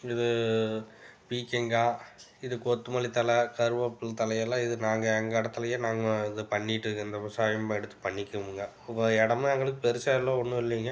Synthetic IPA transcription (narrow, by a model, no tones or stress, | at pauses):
ɪðɯ | piːkɛŋɡaːɪðɯkot̪ːɯmɐlit̪ɐlɐkɐɾɯʋɐpːɯlt̪ɐlɐjɛlːãːɪðɯnaːŋɡɐɛŋɡɐɪɽɐt̪ːɐlɐjeːnaːŋɡɐɪðɯpɐɳːɪʈːɯɪnd̪ɐmɐsaːjɐmɛɽɯt̪ːɯ̥pɐɳːɪkʲːɯʋɯŋɡɐ | ɔɐɛɽɐmɐŋɡɐɭɯkːɯpɛɾɯsaːlːõɔnːɯsɔlːiŋɡɐ